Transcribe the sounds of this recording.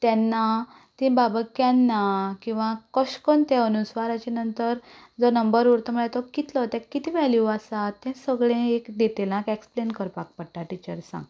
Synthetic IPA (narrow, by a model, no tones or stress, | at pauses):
t̪jɛ̃nːa | t̪ĩbabəkjanːakĩw̃ʋãkəɕkɔnt̪ɛənusʋaɾat͡ɕenənt̪əɾ | d͡zɔnəmbəɾuɾt̪ɔməɭɛt̪ɔkit̪lɔt̪jãkːit̪ʰĩʋɛljuasat̪ːɛ̃səɡɭẽekd̪et̪elãkeksplenkəɾpak̚pəɽʈaʈit͡ɕəɾsã̰ŋɡ